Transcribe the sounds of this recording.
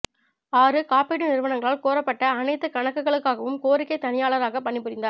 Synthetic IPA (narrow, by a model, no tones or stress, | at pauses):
aːɾɯkaːpeːʈːɯnɪɾɯʋɐnɐŋɡɐɭaːlkoːɾɐpːɐʈːɐːnɐɪt̪ːɯkɐɳɐkːɯɣɐɭɯkːaːɣɐʋɯmkoːɾɪkːɐɪt̪ːɐnɪjaːɭɐɾaːɣɐpɐɳːɪpːɯɾɪnd̪aːɾɾ